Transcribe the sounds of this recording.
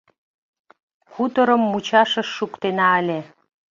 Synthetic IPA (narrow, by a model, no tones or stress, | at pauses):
xut̪əɾə̆mːut͡ɕɑʃə̆ʃːukt̪enɑəlʲe